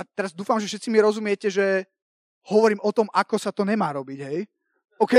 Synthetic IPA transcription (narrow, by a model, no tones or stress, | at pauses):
at̪ɛɾazd̪uːfamʒɛfʃɛt̪t͡simiɾɔzumɪɛcɛʒɛ | hɔʋɔɾiːmʔɔt̪ɔmakɔsat̪ɔɲɛmaːɾɔbiɟɦɛj | ɔʊkɛ